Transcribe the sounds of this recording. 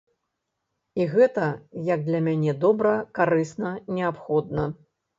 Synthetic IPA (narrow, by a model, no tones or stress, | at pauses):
iɣɛt̪ɐjɐɡ̚d̪lʲɐmʲanʲɛd̪ɔbɾɐkaɾɨsnɐnʲɛapxɔd̪̚nɐ